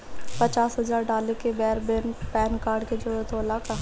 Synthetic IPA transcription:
pət͡ʃaːsɦɐzaːɾɖaːlekebɛːɾbɪnpɛːnkaːɾɖked͡ʒoːɛt̪ʰoːlaka

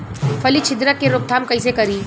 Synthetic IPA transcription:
fʰɐlit͡ʃʰɪd̪ɾəkːeɾʊk̚t̪ʰaːmkɐis̬ekɐɾiː

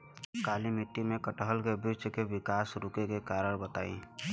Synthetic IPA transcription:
kaːlimɪʈːimẽkəʈəɦəlkebɪt͡ʃkeʋɪkaːsɾʊkekekaːɾəɾbət̪a̰ːḭ̃

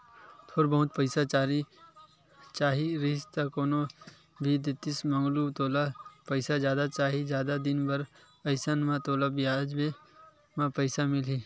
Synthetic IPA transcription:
t̪ʰoːɾbəɦʊt̪pəɪsat͡ʃaːɾi | t͡ʃaːɦiɾɪst̪akoːno | bʱid̪ɪt̪ɪsmə̃ŋɡlut̪oːlapəɪsazjaːd̪at͡ʃaːɦid͡ʒjaːd̪ad̪ɪnbɐɾ | ɐɪsənmãt̪oːlabɪjaːd͡ʒbe | mãpəɪsamɪliː

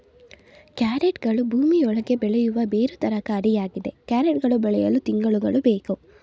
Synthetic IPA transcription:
kjaːɾeʈɡɐɭubʱuːmiɔɭɐɡe̞bɛɭejuʋɐbe̞ːɾut̪ɐɾɐkɐːɾijaːɡid̪e̞kjaːɾeʈɡɐɭubɛɭɛjɐlut̪iŋɡɐɭuɡɐɭubeːku

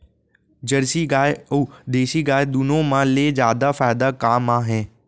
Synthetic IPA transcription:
d͡ʑɐɾsiɡaːuːd̪eːʃiɡaːd̪unõmãːleːzjaːd̪afaːɪd̪akaːmaːɦẽː

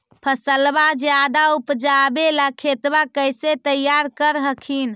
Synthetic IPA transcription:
pʰəsəlbad͡ʒjad̪aupd͡ʒabeləkʰet̪bakəjset̪əjaɾkəɾɦəkʰin

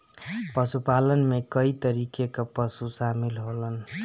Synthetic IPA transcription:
pəsupalənmekəit̪əɾikekepəsusamilɦolən

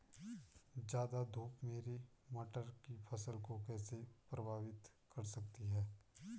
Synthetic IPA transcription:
d͡ʒjaːd̪ad̪ʱuːpmeːɾe | mɐʈəɾkipʰɐsəlkokɛːsepɾɐbʱaːʋɪt̪ | kɐɾsɐk̚t̪iɦɛː

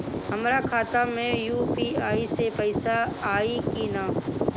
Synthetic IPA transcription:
ɦɐmɾakʰaːt̪amẽjuːpiaːisepɛɪsaaːikinaː

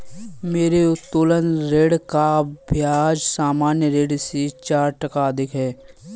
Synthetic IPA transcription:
meːɾeʊt̪ːoːlənɾeːɽkabʱjaːd͡ʒsaːmaːnjəɾeːɖset͡ʃaːɾʈəkad̪ɪkɦɛː

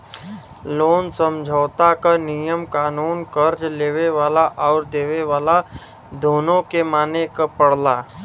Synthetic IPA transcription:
loːnsə̃md͡ʒʱəːt̪akanijəmkaːnuːnkəɾd͡ʒleːʋeʋaːlaʔɔːɾd̪eːʋeʋaːla | d̪ʱoːnõkemaːnekapəɽ̤laː

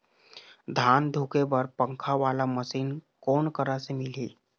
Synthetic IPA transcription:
d̪ʱand̪ʱukebəɾpəŋkʰaʋalaməsiːnkonkəɾasemiliː

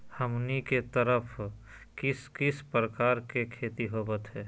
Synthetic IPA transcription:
həmniket̪əɾəpʰ | kɪskɪspɾəkaːɾkekʰeːt̪iɦoːbət̪ɦɛː

